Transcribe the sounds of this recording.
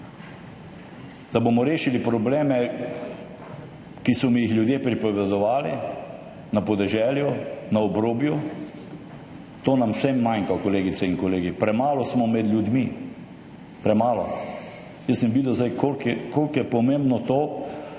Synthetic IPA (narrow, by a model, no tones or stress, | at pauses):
d̪̥abomɔɾeːʃilipɾɔbleːmɛ | kisɔmijixljud̪jepɾipɔʋɛd̪ɔʋaːli | napɔd̪ɛʒɛːljunaɔbɾoːbju | t̪oːnamsɛmːajŋkakɔleːɡit̪sɛinkɔleːɡipɾɛmaːlɔsmɔmɛd̪ljud̪mi | pɾɛmaːlɔ | jəsəmʋiːd̪ɛwzd̪ajkolkɛkolkjɛpɔmembnɔt̪oː